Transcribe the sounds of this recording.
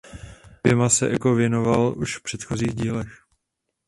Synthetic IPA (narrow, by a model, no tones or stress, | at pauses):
ɛmasɛʔɛ̰kovjɛno̞valʔuʃfpr̝̥ɛt̪xo̞ziːɣɟiːlɛx